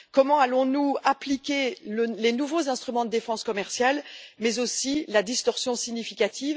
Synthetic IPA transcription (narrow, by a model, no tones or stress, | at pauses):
kɔmɑ̃alɔ̃nuaplikʲeləlenuvozɛ̃st̪χymɑ̃d̪əd̪efɑ̃skɔmɛʁsjalmɛzosilad̪ist̪ɔʁsjɔ̃siɲifikʲat̪ʰiːv